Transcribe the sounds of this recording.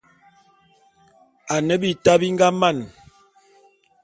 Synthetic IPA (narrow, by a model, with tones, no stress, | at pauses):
a˨nə˦bi˦˨ta˦bi˦ŋ˦ɡa˦ma˦˨n